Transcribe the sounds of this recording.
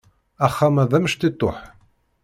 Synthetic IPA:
æχːamæðæməʃt̪it̪ˤːoħ

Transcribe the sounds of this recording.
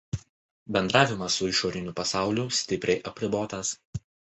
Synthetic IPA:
bʲɛnd̪ɾɑːʋʲɪmɐsːʊɪʃoːɾʲɪnʲʊpɐsɑˑʊlʲʊsʲt̪ʲɪpʲɾʲɛɪʔɐpʲɾʲɪboːt̪ɐs

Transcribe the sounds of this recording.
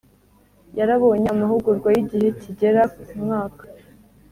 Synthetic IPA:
jaɾaβo̞ːɲamaɦuɡuɾɡwajiɟihe̞ciɟe̞ɾaumŋaːkḁ

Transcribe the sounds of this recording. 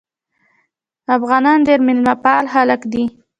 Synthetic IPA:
afɣɑnɑnd̪eɾmɪlmapɑlɦalakd̪i

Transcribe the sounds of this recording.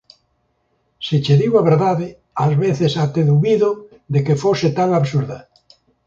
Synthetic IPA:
sit͡ʃeðiwaβeɾðaðe | azβeθesat̪eðuβiðo | ðekefoset̪aŋaβsuɾða

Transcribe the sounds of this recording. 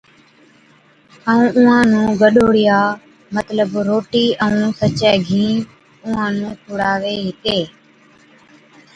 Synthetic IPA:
əũːʔʊ̃ːãːnũːɡəɗoːɽɪjaː | mət̪ləbɾoːʈiːʔəũːsət͡ʃɛːɡʱĩː | ʊ̃ãːnũːkʰʊɽaːʋeːɦɪkeː

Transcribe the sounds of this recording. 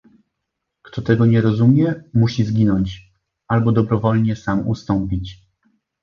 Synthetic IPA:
kt̪ɔt̪ɛɡɔɲɛɾɔzumʲjɛmuɕizɡʲinɔɲt͡ɕ | albɔd̪ɔbɾɔvɔlɲɛsamṵst̪ɔmpʲit͡ɕ

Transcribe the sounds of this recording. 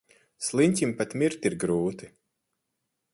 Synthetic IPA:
slˠinʲt̪ʲimpat̪mʲiɾt̪ʲiɾɡɾuːt̪i̥

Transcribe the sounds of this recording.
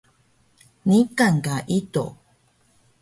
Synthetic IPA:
nikaŋkaʔito̰

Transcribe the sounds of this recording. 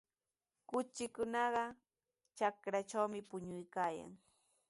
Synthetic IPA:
kʊt͡ʃɪkʊnɑɢɑ | t͡ʃakɾat͡ʃawmɪpʊɲʊjkaːja̰ŋ

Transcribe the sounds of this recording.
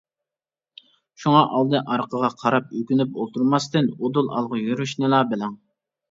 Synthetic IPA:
ʃuŋɑʔɑlˠd̪ɨʔɑɾqʰəʁɑqʰɑɾɑp̚økʲynypolˠt̪ʰuɾmɑst̪ɨnod̪ulˠɑ̰lˠʁəjyɾyʃnɨlˠɑbɪlɛŋ

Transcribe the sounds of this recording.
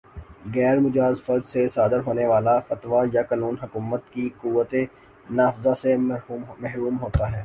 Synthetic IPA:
ɣɛːɾmʊd͡ʒaːzfɐɾd͡ʒsesaːd̪əɾɦoːneʋaːlafɐt̪ʋajakaːnuːnɦʊkuːmət̪kikuʋːət̪e | naːfzasemmɛɦɾuːmɦoːt̪aɦɛː

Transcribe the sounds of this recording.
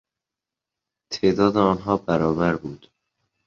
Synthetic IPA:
t̪ʰeːd̪ɒːd̪eɒːnɦɒːbæɾɒːbæɾbuːd̪̥

